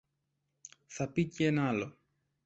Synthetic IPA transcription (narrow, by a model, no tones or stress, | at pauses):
θɐpicenɐlo